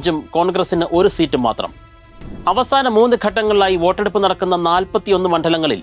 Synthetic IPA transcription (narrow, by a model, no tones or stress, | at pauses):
d͡ʑumko̞ːɳɡrɐsinɨʔo̞ɾusiːtːuma̰ːt̪rɐ̰m | ɐʋɐsaːnɐmuːnɨɡʱɐʈːɐŋːɐɭɭaːjiʋo̞ːʈːe̞ɽupːɨnɐɽɐkːunːɐnaːlpɐt̪ːijo̞nːɨmɐɳɖʱɐlɐŋːɐɭḭl